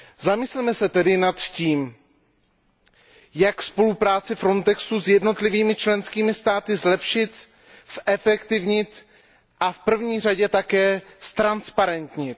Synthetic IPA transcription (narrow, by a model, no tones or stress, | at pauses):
zamɪslɛmɛsɛt̪ɛdɪnat̪ciːm | jakspo̞lupɾaːt͡sɪfɾo̞nt̪ɛksuzjɛdno̞t̪lɪviːmɪt͡ʃlɛnskiːmɪst̪aːt̪ɪzlɛpʃɪt̪ | sʔɛfɛkt̪ɪvɲɪt̪ | ʔafpr̩vɲiːr̝aɟɛt̪akɛːst̪ɾanspaɾɛnt̪ɲɪt̪